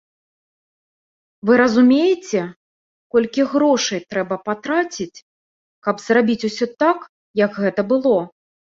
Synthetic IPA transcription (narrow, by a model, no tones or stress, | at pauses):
vɨɾɐzumʲejɪt͡sʲɛ | kɔlʲkʲiɣɾɔʂɨjt̪ɾɛbɐpat̪ɾat͡sʲit͡sʲ | kɐbzrabʲit͡sʲusʲɔt̪ak | jɐɡɣɛt̪ɐbɨlˠɔ